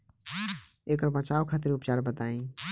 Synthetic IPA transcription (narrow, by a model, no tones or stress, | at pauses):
ekəɾbət͡ʃaukʰat̪iɾupt͡ʃaɾbət̪aĩ